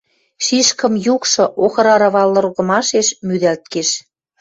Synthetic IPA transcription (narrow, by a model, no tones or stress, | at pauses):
ʃiʃkə̆mjukʃɤ̆ʔoxɤ̆ɾɑɾɑβɑlːɤ̆rɣə̆mɑʃeʃmyðælt̪̚keʃ